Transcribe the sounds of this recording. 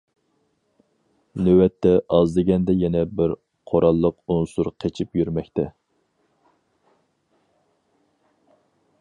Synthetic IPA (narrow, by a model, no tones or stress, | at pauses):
nøwɛt̪ʰːɛʔɑzd̪ɪɡʲɛnd̪ɛjɛnɛbɪɾ | qʰoɾʔɑlˠːəqunsuɾqʰet͡ʃʰipjyɾmɛkʲt̪ɛ